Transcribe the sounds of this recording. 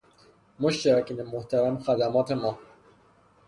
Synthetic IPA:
moʃt̪eɾɒːkinemoht̪ʰæɾæmxæd̪æmɒːt̪ʰemɒː

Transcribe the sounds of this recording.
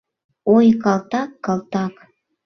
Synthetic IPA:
ojkɑlˠt̪ɑkːɑlˠt̪ɑk

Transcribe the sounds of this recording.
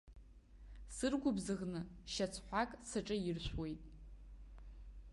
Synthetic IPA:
sɨrɡʷʊbzɨʁnɨʃat͡sʰħʷakʼsɨʈ͡ʂʼɨirʃʷwe̞jtʼ

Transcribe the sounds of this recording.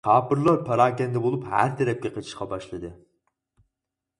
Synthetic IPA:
qʰɑːpɨɾlˠɑɾpʰɑɾɑːkʲɛnd̪ɛbolˠuphæ̰ɾt̪ʰɛɾɛp̚kʲɛqʰət͡ʃʰi̥ʃqɑbɑʃlˠɨd̪ɨ

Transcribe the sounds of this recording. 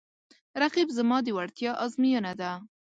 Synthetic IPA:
ɾaqibzəmɑd̪əwaɽt̪jɑʔɑzmijənad̪a

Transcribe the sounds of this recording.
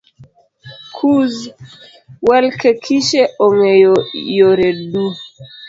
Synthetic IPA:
kʰuz | wɛlkʰɛkʰiʃɛʔɔŋɛjɔɾɛɗu

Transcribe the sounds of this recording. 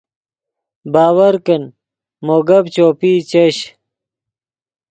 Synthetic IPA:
baːwɐɾkɐn | moːɡɐbt͡ɕoːpiːt͡ɕɐɕ

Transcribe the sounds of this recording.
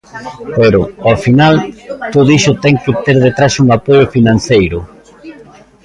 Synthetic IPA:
peɾʊɔfinalt̪oðoiʃʊt̪ɛŋkɪt̪eɾðet̪ɾasuŋapojʊfinãn̟θejɾʊ

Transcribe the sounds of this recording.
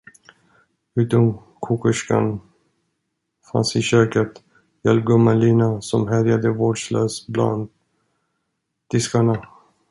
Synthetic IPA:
ʉ̟ːt̪ɔm | kʰuːkəʂka̰n | fa̰nsɪɕøːkət̪ | jɛlɡɵmaliːnasɔmɦæɾjad̪əvoːɖʂløːsbla̰nd̪̚ | d̪̥ɪskaɳa

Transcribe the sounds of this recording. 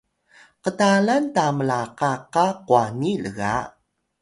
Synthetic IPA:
qətalantaməlaqaqaquaniləɣa

